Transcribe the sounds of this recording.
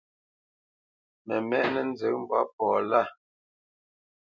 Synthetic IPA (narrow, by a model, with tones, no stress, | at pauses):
mɛ˨mɛ˦ʔnɛ˨n̩˦zə˨˦m̩˦ba̰˦p̚ɔː˨la˦˨